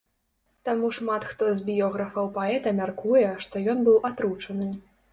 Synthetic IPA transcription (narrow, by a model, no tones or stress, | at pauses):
t̪amuʂmat̪xt̪ɔzʲbʲjɔɣɾɐfɐwpaɛt̪ɐmʲarkujɛʂt̪ɔjɔnbɨwʔat̪ɾut͡ʂɐnɨ